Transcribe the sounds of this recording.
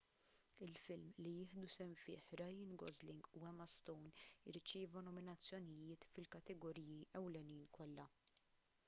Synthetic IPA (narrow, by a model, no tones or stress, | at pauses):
ɪlfɪlmlijɪːħd̪usɛmfɪ̰ːħɾɐjɪnɡɔ̰zlɪŋɡuɛmɐst̪ɔwnɪɾt͡ʃɪːvɐnɔmɪnɐt͡sːjɔnɪjɪːt̪fɪlkɐt̪ɛɡɔɾiːjiʔɛwlɛniːnkɔlːɐ